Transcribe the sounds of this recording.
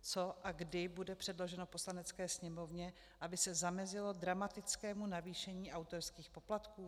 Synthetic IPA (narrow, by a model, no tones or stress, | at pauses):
t͡so̞ʔaɡdɪbudɛpr̥ɛdlo̞ʒɛno̞po̞slanɛt͡skɛːsɲɛmo̞vɲɛ | ʔabɪsɛzamɛzɪlo̞dɾamat̪ɪt͡skɛːmunaviːʃɛɲiːʔawt̪oɾskiːxpo̞plat̪kuː